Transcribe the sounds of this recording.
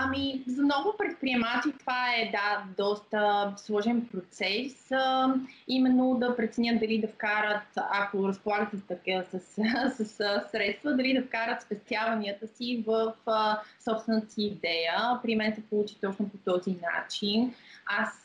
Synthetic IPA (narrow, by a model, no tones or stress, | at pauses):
ɐmizɐmnɔvʊpɾɛt̪̚pɾiɛmat͡ʃ̪it̪ovaɛd̪ad̪ɔst̪əslˠɔʒɛnpɾot̪sɛs | imɛnːod̪ɐpɾɛt̪sɛnʲəd̪ɐlid̪ɐfkaɾət̪ɐkoɾəspolˠaɡət̪ɛst̪ɐkəsəssəssɾɛt̪st̪vəd̪ɐlid̪ɐfkaɾət̪spɛst̪javɐniət̪əsivəfsɔpst̪vɛnət̪əsiːd̪ɛjəpɾimɛnsɛpolˠut͡ʃi̥t̪ɔt͡ʃnopot̪ɔzina̰t͡ʃinas